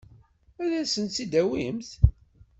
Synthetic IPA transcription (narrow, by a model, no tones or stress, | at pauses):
æðæsənt͡sid̪æwimθ